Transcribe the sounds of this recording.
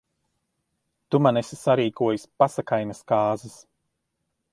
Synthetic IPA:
t̪umanɛsisaɾiːkuɔjusʲpasakajnaskaːzɨs

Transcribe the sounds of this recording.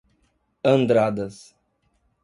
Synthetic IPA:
ɐ̃nd̪ɾad̪ɐs

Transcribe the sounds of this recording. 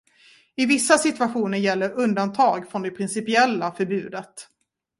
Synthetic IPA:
ɪvɪsːasɪt̪vaɧuːnəɾjɛlːəɾɵnd̪ant̪ʰɑːɡfɾɔnd̪ɛpʰɾɪnsɪpɪɛlːafœɾbʉ̟ːd̪ət̪

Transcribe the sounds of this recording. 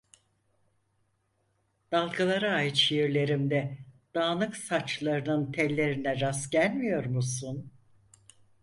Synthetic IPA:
d̪̥alˠkʰalˠaɾaːjɯt̪ʃijiɾlʲe̞ɾimd̪ɛd̪̥aːnɯksat͡ʃlˠaɾɯnɯnt̪ʰɛlʲːe̞ɾinɛɾasɟælʲmijo̞ɾmusun

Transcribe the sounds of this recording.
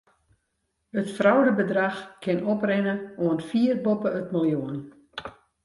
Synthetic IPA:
ətfrawdəbədraxkʰɪnoprɪnəoənfiərbopəətməlˠjoən

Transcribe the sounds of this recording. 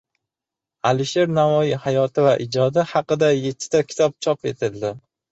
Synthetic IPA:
alɪʃe̞ɾnavɒjihajɒt̪ʰɪvaʔɪd͡ʒɒd̪ɪhɑqɨd̪ajet̪ʰːɪ̥t̪akʲʰɪ̥t̪ʰɒp̚t͡ʃʰɒpe̞t̪ʰɪld̪ɪ

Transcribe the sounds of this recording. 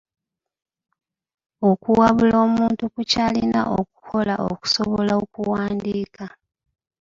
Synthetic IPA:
o̞kuwaβulo̞ːmuːntukucaːlina̰ʔoku̥kʰo̞laʔo̰ku̥so̞βo̞laokuwaːndiːka

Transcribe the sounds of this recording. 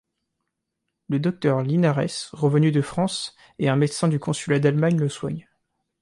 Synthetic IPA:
ləd̪ɔk̚t̪œʁlinaʁɛ̰sʁəvənyd̪əfχɑ̃s | eɛ̃mɛt̪sɛ̃d̪ykɔ̃sylad̪almaɲləswa̰ɲ

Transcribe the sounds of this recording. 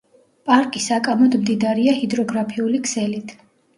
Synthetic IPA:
pʼaɾkʼisakʼamɔd̪md̪id̪aɾiahid̪ɾɔɡɾapʰiulikʰsɛlit̪ʰ

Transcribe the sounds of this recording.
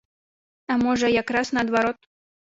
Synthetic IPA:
amoʒəjakɾɑsnɐd̪vaɾot̪̚

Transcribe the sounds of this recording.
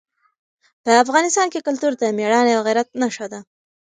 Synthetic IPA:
pəafɣɑnɪst̪ɑnkekʊlt̪uɾd̪əmeɽɑnealɣɪɾat̪̚naʃad̪a

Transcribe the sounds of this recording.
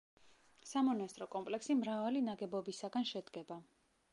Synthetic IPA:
samɔnast̪ʼɾɔkʼɔmpʼlɛksimɾavalinaɡɛbɔbisaɡanʃɛd̪ɡɛba

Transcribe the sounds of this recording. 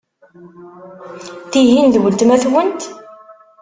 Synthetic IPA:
θiɦinðwəlt̪mæθwənt̪

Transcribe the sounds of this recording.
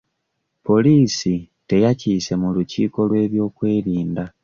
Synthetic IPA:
po̞liːsi | te̞jaciːse̞mulucḭːko̞lwe̞ːβjo̞ːkwe̞ːɾiːnda

